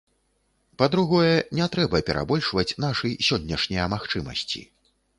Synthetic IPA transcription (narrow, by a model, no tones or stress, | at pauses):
pɐd̪ɾuɣɔjɛnʲɛt̪ɾɛbɐpʲɛɾʔa̰bɔlʲʂvɐt͡sʲn̪aʂɨjsʲɔnʲːɛʂnʲijɐmaxt͡ʂɨmɐ̰sʲt͡sʲḭ